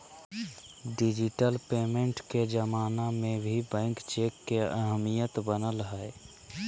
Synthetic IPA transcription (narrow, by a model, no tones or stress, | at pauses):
ɖɪd͡ʒɪʈəlpeːmẽɳʈked͡ʒəmaːnamẽbʱibɛ̃ːŋkt͡ʃeːkːeə̰ɦəmijət̪bənəlɦɛe